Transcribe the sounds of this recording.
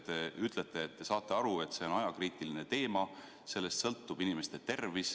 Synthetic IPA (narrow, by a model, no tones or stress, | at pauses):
t̪eyt̪ˑle̞t̪ːˑe̞ːt̪ːe̞sɑːt̪ːˑe̞ɑɾue̞t̪se̞o̞nɑjɑkriːt̪ˑiline̞t̪e̞ːmɑ | se̞lːe̞st̪sɤlt̪ːub̥inimest̪e̞t̪e̞rvis